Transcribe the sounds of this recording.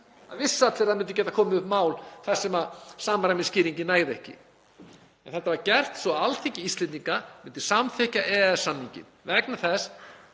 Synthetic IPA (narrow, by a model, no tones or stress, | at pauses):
a̰ðvɪsːat̪eːɾðamʏnt̪ʏcɛt̪akʰɔːmɪʏhpmaːwlθasːɛmasaːmaɾajmɪnscɪːɾiɲcɪnaːjðɪɛhcɪ̰ | ɛnθɛt̪ːavaɾcɛr̥t̪svɔalt̪ʰecɪist̪lɛniŋkamʏnt̪ɪ̥samθɛhcaʔɛːɛsːanːiɲcɪ̰nvɛknaθɛs